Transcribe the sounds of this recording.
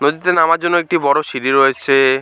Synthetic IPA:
nod̪it̪enamaɾd͡ʑonːoek̚ʈibɔɽoʃiɾiɾojet͡ɕʰe

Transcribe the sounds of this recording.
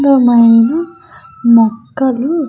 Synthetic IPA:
ɡ̪ɐmɐjnɐ | mɐkːɐlu

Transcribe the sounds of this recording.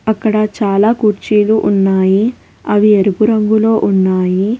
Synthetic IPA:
ɐkːɐɽɐt͡ʃaːlaːkuɾt͡ʃiːluʔunːaːji | ɐʋieɾupuɾɐŋɡulo̞ːʔunːaːji

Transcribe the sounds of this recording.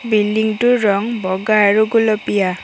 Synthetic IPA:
biliŋtuɾɔŋbɔɡaɾuɡulɔpija

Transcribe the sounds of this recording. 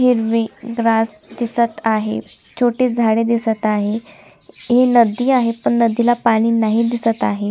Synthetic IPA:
ɦiɾʋiɡɾas | d̪isət̪aɦḛ | t͡ɕʰoʈiːd͡zʱaɽed̪isət̪aɦe | ɦenəd̪ːiːaɦepəɳnəd̪ilapaɽ̃iːnaɦiːd̪isət̪aɦe

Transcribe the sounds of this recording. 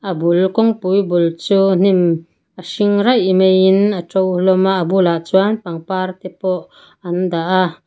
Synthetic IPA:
ʔəbulkɔŋpujbult͡suːn̥im | ʔəsiŋrajʔmejinatowlɔmaʔbulaʔt͡suanpaŋpart̪ɛpɔʔ | ɐnd̪aʔa

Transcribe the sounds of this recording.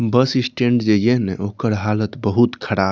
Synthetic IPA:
bəsisʈẽɳʈd͡ʒejeɦneʔokəɾɦalət̪bəɦut̪kʰəɽa

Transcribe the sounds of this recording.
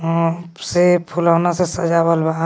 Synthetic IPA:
sepʰulanasesəd͡ʒabəlba

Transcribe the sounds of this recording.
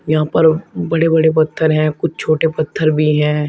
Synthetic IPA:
jɐɦãːpɐɾbɐɽebɐɽep̬ɐt̪ʰːəɾɦɛ̃ːkʊt͡ʃʰt͡ʃʰoːʈepɐt̪ʰːəɾbʱiɦɛ̃ː

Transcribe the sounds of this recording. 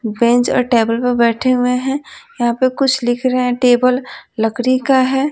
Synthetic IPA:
bɛ̃ɲt͡ʃɔ̰ːɾʈeːbəlpɐɾbɛːʈʰeɦʊeɦɛ̃jɐɦãpekʊt͡ʃʰlɪkʰɾɐɦɛ̃ʈeːbəlːɐkɾikaɦɛː

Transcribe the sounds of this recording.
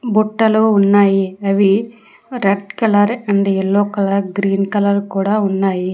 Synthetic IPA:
buʈːɐluunːaːjiɐʋi | ɾeɖkɐlɐɾɐɳɖeɛɭːoːkɐlɐɾɡɾiːnkɐlɐɾkuːɽaːunːaːji

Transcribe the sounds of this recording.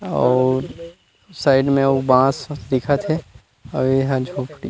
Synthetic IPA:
ɔːɾ | saːɪɖmẽobãːsd̪ɪkʰat̪ʰe | ɔeɦãd͡ʒʱoːpʰʈi

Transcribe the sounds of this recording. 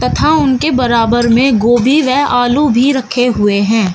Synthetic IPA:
t̪ɐt̪ʰaʊnkebɐɾaːbəɾmẽɡoːbʱiʋɛːʔaːlubʱiɾɐkʰeɦʊeɦɛ̃ː

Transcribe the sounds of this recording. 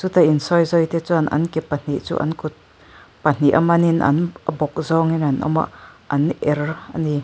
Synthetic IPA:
t͡sut̪ainsɔjzɔjt̪ɛt͡suanʔɐ̰nkɛpːan̥iʔt͡sṵʔa̰nkut̪̚ | pɐn̥iʔɐmɐninʔɐ̰nʔbɔk̚zɔŋinɐnɔ̰ma̰ʔɐnʔɛrɐ̰ni

